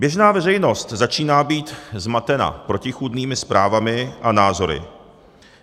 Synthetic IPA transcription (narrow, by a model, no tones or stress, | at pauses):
bjɛʒnaːvɛrɛjno̞st̪zat͡ʃiːnaːbiːt̪zmat̪ɛna̰pɾo̞cɪxudniːmɪspɾaːvamɪʔanaːzo̞ɾɪ̰